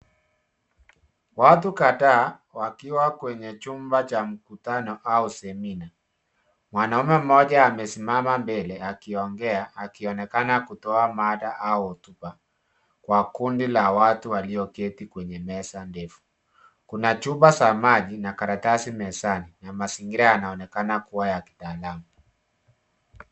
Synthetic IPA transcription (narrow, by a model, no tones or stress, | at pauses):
watukataː | wakiwakwɛɲɛt͡ʃumbat͡ʃam̩kutanɔʔausɛmina | mwanaumɛm̩ɔʄaːmɛsimamambɛlɛakiɔŋɡɛaːkiɔnɛkanakutɔamaɗaʔautupa | kwakundilawatuwaliɔkɛtikwɛɲɛmɛsandɛfu̥ | kunat͡ʃubasamaʄinakaɾatasimɛsaninamasiŋɡiɾaanaɔnɛkanakuwajaki̥taːlamu